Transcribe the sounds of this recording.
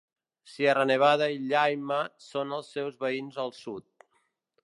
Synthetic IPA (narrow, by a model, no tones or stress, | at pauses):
sierəneβ̞að̞əiʎajməsonəlˠsːɛwzβəinzəlˠsut̪̚